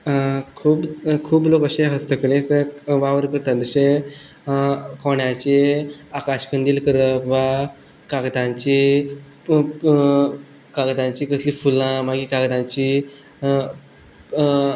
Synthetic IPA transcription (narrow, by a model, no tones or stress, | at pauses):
kʰuːbkʰuːblokəɕẽɦəst̪əkəlẽtəʋaʋəɾkəɾt̪at̪d̪əɕẽ | koɳjãt͡ɕeakaɕkənd̪iːlkəɾəʋa | kaɡd̪ãɲt͡ɕi | kaɡd̪ãɲt͡ɕiːkəsliːfulãmaɡikaɡd̪ãɲt͡ɕi